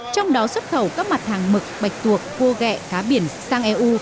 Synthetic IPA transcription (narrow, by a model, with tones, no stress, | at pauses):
t͡ɕɔ˧wŋ͡mɗɔ˨˦swə˦˥t̚xə˧˩wkaː˦˥k̚ma˨˩t̚haː˨˩ŋmɨ˨˩k̚ɓa˨˩jk̚t̪u˨˩əkːo˧ɣɛ̰˧˨kaː˨˦ɓi˧˩ənsaː˧ŋʔɛ˧ʔu˧